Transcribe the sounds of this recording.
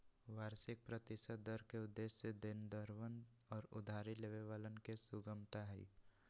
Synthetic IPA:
ʋaːɾsɪk̚pɾət̪ɪsəd̪̚d̪əɾkeʊd̪ːesəd̪ɪnd̪əɾʋənɔːɾʊ̰d̪ʱaːɾileʋeʋaːlənkesʊɡəmt̪aɦɛ̰ː

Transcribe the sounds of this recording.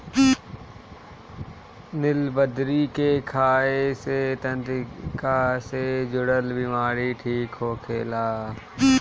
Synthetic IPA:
nɪlbəd̪ɾiːkeːkʰaːeseːt̪ənd̪kaːseːd͡ʒʊɽəlbɪmaːɾiːʈʰiːkɦoːkʰeːlaː

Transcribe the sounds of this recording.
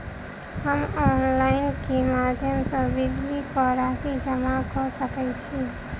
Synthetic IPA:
həmɔnlaɪnkemad̪ʱjəmsə̃bid͡ʒlikɔɾasid͡ʒəmakɔsəkɛt͡ʃʰi

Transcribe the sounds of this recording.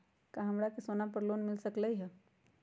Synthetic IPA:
kaɦɐmɾakesoːnap̬ɐɾloːnmɪlsɐkləiɦɛ

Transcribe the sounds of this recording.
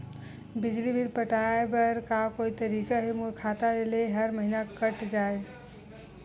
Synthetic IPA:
bid͡ʒlibʱilpəʈaebəɾkakoit̪əɾikaɦemuɾkʰat̪aeleɦəɾməɦinakəʈd͡ʒae

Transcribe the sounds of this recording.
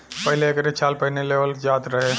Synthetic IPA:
pəɦileːkɾet͡ʃʰalpəɦneleʋəld͡ʒat̪ɾəɦe

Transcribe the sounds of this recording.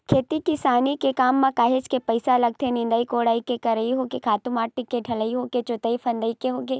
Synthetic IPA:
kʰeːt̪ikɪsaːnikekaːmːãkaːɦet͡ʃkepɐɪsalɐɡ̚t̪ʰenɪ̃nd̪aikoːɽaːikekɐɾɐiɦoːkekʰaːt̪ʊmaːʈːɪkːeʈʰɐləiɦoːket͡ʃʊt̪əipʰɐ̃nd̪əikeɦoːkeː

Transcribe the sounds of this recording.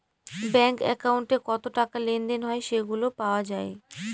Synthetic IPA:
bɛŋkɛ̰kauɳʈekɔt̪oʈakalenɖenɦɔeʃeɡulopaoad͡ʑae

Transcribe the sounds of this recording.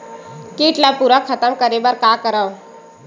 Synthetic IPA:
kiʈlapuɾəkʰət̪əmkəɾebəɾkakəɾəw

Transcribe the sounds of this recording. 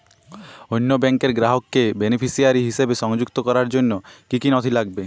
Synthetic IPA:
ojnːobɛŋkeɾɡɾaɦokːebenepʰisiaɾiɦiʃebeʃɔŋd͡ʑukt̪okɔɾaɾd͡ʑonːokikinɔt̪ʰilaɡ̚be

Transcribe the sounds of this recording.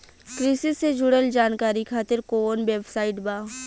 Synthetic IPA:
kɾɪsɪsed͡ʒʊɽəld͡ʒaːnkaːɾikʰaːt̪ɪɾkoːnbeːbsaːɪʈbaː

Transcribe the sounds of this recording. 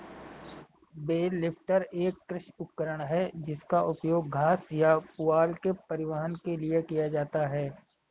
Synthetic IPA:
beːlɪpʰʈəɾeːkːɾɪʃʊp̚kəɾəɽ̃ɦɛd͡ʒɪskaʔʊpjoːɡːʱaːsjapʊaːlkepɐɾɪʋəɦənkeliekijad͡ʒaːt̪aɦɛː

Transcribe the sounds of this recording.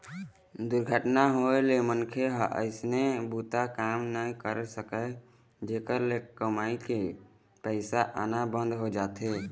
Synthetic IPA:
d̪uɾɡʱəʈnaɦoelemənkʰeɦʔə̰ɪsnebut̪akamnaĩkəɾsəkə | d͡ʒeːkəɾlekəmaike | pəɪsaʔə̰nabə̃nd̪ʱɦod͡ʒaːt̪e

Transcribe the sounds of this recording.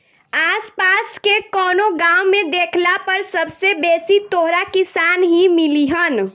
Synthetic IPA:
aːspaskekɔːnoɡaːwmẽd̪eːkʰlapəɾsəbsebeːsit̪oɦɾakisaːnɦimiliɦən

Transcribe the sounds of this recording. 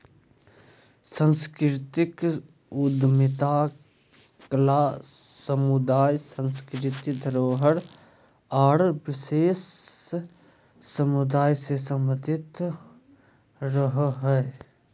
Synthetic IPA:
sə̃nskɾɾɪt̪ɪk | ʊd̪mɪt̪aː | klaːsəmʊd̪aːjsə̃nskɾɪt̪id̪ʱəɾoːɦəɾ | aːɽʋɪʃeːs | əmʊd̪aːjsesəməd̪ʱɪt̪ | ɾəɦɦɛe

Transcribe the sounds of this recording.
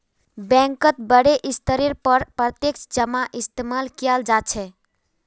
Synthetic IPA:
bɛ̃ŋkət̪̚bəɽeʔist̪əɾiɾpəɾpɾət̪jekt͡ʃd͡ʒəmaʔist̪emalkijald͡ʒat͡ʃʰɛ

